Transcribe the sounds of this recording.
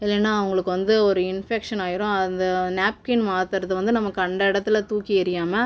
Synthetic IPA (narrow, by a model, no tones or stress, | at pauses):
ɪlːɛnːaːɐʋɐŋɡɐɭɯkːɯʋɐnd̪ɯɔɾɯɪnfekʂɐnaːjɪɾʊ̃ɐnd̪ɐnaːp̚kɪnmaːt̪ɯɾɐðɯʋɐnd̪ɯnɐmːɐkːɯɐɳɖɐɪɽɐt̪ːɪlɐt̪uːkːiɪɾɪjaːmɐ